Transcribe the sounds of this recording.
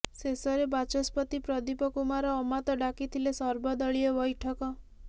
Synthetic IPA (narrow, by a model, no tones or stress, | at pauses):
sesɔɾebat͡ʃɔspɔt̪ipɾɔd̪ipɔkumaɾɔːmat̪ɔɖakit̪ʰilesɔɾbɔd̪ɔɭiebɔjʈʰɔkɔ